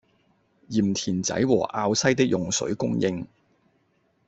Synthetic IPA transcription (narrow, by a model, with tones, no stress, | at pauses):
jiː˨˩mt̪ʰiː˨˩nt͡sɐ̰˨˥jwɔ̰ː˨˩ʔaː˧wsɐ˥jt̪ɪ˥k̚jʔʊ˨˩ŋsɵ̰˨˥ɥkʊ˥ŋjɪ̰˧ŋ